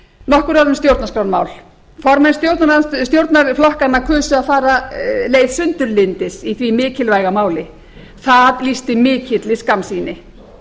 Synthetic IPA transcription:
nɔhkʏɾaðʏmst̪jowɾt̪naskɾawnma̰ːwl̥ | fɔɾmɛnst̪jowɾt̪naɾst̪jowɾt̪naɾflɔhkanːakʰʏːsʏaðfaːɾaleːjðsʏnt̪ʏɾlɪnt̪ɪsiθvimɪːcɪlvajɣamaːwlɪ | θaðlist̪ɪmɪːcʰɪt̪lɪskamsiːnɪ

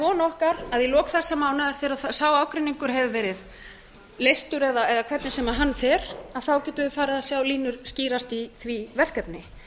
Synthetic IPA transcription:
kɔːnɔhkaɾaðjɪlɔːkθḁsɛmːaːwnaðaɾ̥θɪɾaðθasaːwaːwkɾɪnːiŋkʏɾ̥ɦɛvʏvɛːɾɪð | lejst̪ʏɾɛðaɛðakʰvɛt̪nɪsɛmaɦanːfɛɾ̥aðθawcɛːt̪ʏfaːɾɪðasjaːwliːnʏɾ̥sciːɾast̪iθvivɛr̥kɛpnɪ

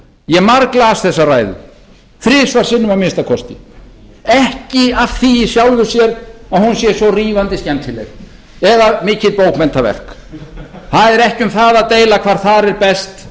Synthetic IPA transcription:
jɛɣmaɾklaːsθɛsːaraːjðʏ̰ | θɾɪːsvaɾ̥sɪnːʏmamɪnst̪akʰɔst̪ɪ | ɛhcɪav̥θiisjawlvʏ̥sjɛɾaðhunsjɛsvɔriːvant̪ɪscɛnt̪ʰɪlɛ̰ɾ | ɛðamɪːcɪðpoːwkmɛnt̪avɛ̰r̥k | θaðɛɾɛhcɪʏmθaðaðt̪eːjlakʰvaːɾ̥θaɾɛɾpɛst̪

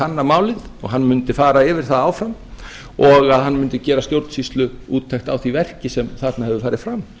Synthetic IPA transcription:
anːamaːwlɪðɔɣɦanːmʏnt̪ɪfaːɾaɛːvɪɾ̥θaðaːwfɾam | ɔɣaðɦanːmʏnt̪ɪcɛːɾast̪jowɾt̪n̥sist̪lʏuːt̪ʰːajhxt̪awθivɛr̥cɪsɛmθat̪nahɛvʏfaːɾɪðfɾam

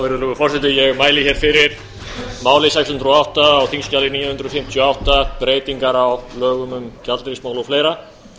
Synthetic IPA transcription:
vɪɾðlʏɣʏfɔrsɛt̪ɪjɛɣmaːjlɪçɛɾ̥fɪɾɪɾ̥ | maːwlɪs̬ajkshʏnt̪ɾʏɔawht̪aːwθʰiŋscalɪniːjnʏnt̪ɾɔfɪm̥t̪ʰjɔawht̪apɾeːjt̪iŋkaɾawlœːɣʏmʏmcat̪lɾismaːwlowfleːjɾa

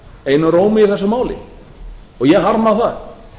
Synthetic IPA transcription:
eːjnʏɾoːwmɪɪθɛsːʏmaːwlɪ̰ | ɔɣjɛɦaɾmaθa̰ð

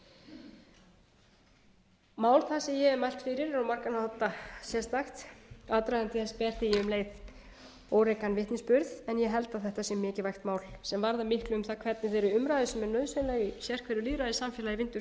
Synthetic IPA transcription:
maːwlθasɛmjɛɛmajl̥t̪fɪːɾɪɾawmaɾkanhahɔt̪ːasjɛst̪axt̪at̪ɾaðɛnt̪ɪθɛspɛːr̥t̪ɪjɛʏmleːjð | oːwɾejkanvɪht̪nɪnspʏɾðɛnjɛɦɛlt̪aθɛht̪asjɛmːɪːcɪvajxt̪maːwlsɛmvaɾðamɪhklʏʏmθakʰv̥ɛt̪nɪθeɾʏʏmɾajðʏsɛmɛɾnœɥðsenlɛːɣisjɛr̥kʰvɛɾʏliːðɾajðɪsamfjɛlajɪvɪnt̪ʏɾ

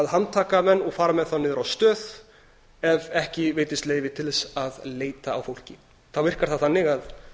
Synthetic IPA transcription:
aðɦant̪ʰaːkamɛnːɔɣfaːɾamɛðθanːɪːðʏɾawst̪œːð | ɛvɛhcɪveːjt̪ɪst̪leːjvɪt̪ʰɪlsaðleːjt̪aa̰wfowl̥cɪ | θawvɪr̥kaɾ̥θaθanːɪɣað

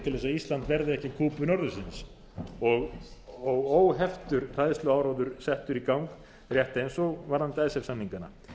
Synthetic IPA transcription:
t̪ʰɪlvɛsaðist̪lant̪vɛɾðɪɛhcɪkʰuːpʏnɔɾðʏsɪns | ɔɣɔɣoːwɦɛft̪ʏɾr̥ajðɪst̪lʏaːwɾaːwðʏɾ̥sɛht̪ʏɾikawŋk | r̥jɛht̪ɪejnsɔɣvaɾðant̪aːjsɛfsamniŋkana̰

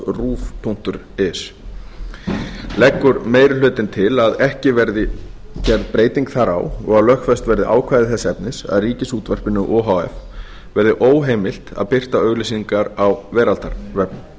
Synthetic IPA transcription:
ruːft̪ʰun̥t̪ʏɾ | ɛs | lɛkːʏɾmeːjɾɪlʏːt̪ɪnt̪ʰɪlaðɛhcɪvɛɾðɪ | cɛɾðpɾeːjt̪iŋkθaɾa̰wɔɣaðlœxkfɛst̪vɛɾðɪʔa̰ːwkʰvaːjðɪθɛsːɛpnɪsa̰ðriːcɪsuːt̪vɛr̥pɪnːʏʔɔːɦawɛ̰f | vɛɾðɪʔoːwɦeːjmɪl̥t̪a̰ðpɪr̥t̪aœɣlisiŋkaɾawvɛːɾalt̪aɾvɛp̚n

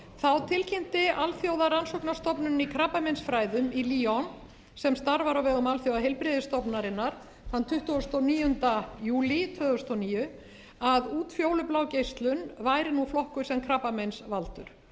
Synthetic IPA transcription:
θawt̪ʰɪlcɪm̥t̪ɪʔalθjowðaransɔknḁst̪ɔpnʏnikʰɾapamɛnsfɾaːjðʏmiliːɔn | sɛmst̪aɾvaɾawvɛːɣʏmalθjowðaɦejlpɾɪðɪst̪ɔpnaɾɪnːaɾ̥ | θant̪ʰʏht̪uɔst̪oniːjʏnt̪ajuːlit̪ʰvœːðʏst̪owniːjʏ | aðuːt̪fjoːwlʏplaːwcejst̪lʏnvaːjɾɪnuflɔhkʏ̥sɛmkʰɾapamɛnsvalt̪ʏ̰ɾ̥

